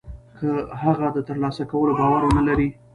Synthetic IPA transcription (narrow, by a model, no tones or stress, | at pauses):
kʰəhaɣad̪ət̪əɾlɑsakawəlobɑwaɾwonalaɾi